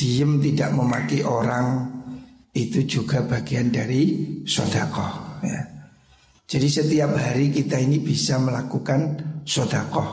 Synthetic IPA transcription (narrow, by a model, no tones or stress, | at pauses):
d̥iəmt̪idaʔməmakiʔoɾaŋ | it̪ud͡ʒuɡa̤b̥a̤ɡ̥ijandaɾisɔd̥akɔhja̰ | d͡ʒ̥adisət̪iap̚haɾikit̪ainib̥isaməlakukansɔd̥akɔh